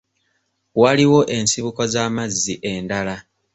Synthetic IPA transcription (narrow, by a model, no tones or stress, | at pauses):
waliwo̞ʔe̞nsiβukozaːmazːiʔe̞ndala